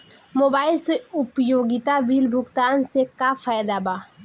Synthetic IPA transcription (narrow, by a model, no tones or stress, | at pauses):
moːbaːɪlseʊpjoːɡɪt̪abiːlbʱʊɡt̪aːnsekafʰaːjd̪abaː